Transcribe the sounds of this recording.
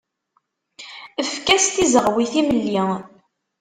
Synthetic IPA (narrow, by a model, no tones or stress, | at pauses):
əfkæst̪izəʁwiθiməlːi